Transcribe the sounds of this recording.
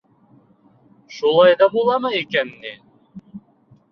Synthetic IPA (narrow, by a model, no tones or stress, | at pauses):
ʃulˠɑjðɑbulˠɑmɤikænːi